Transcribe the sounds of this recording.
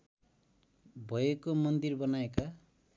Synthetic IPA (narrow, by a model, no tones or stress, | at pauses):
bʱʌjekomʌnd̪irbʌnaeka